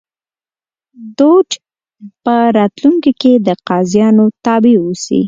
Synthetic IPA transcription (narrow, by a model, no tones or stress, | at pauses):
d̪oʈ | pəɾɑt̪luŋkiked̪əqɑzjɑnot̪ɑbewusḭ